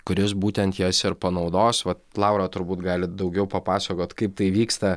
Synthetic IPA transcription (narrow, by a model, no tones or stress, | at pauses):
kʊɾʲɪs̬buːt̪ʲɛnt̪jɛsɪɾpɐnɒʊd̪oːsʋɐt̪lˠɑʊɾɑːt̪ʊɾbuːt̪ɡɑːlʲɪd̪ɒʊɡʲɛʊpɐpɑːsɐkoːt̪kɐɪp̚t̪ɐɪʋʲiːkst̪ɐ